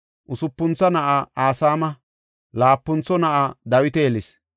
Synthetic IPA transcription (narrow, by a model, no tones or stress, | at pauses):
ʔʊsʊpːʊnt͡sːɐnɐʔaaːsaːmɐ | laːpːʊnt͡sːɔnɐʔad̪ɐwɪt̪ɛɛlɪs